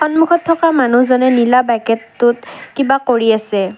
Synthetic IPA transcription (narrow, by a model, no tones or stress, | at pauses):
xɔnmukʰɔtʰːɔkamanuzɔnɛnilabakɛtːʊtkibakoɹiasɛ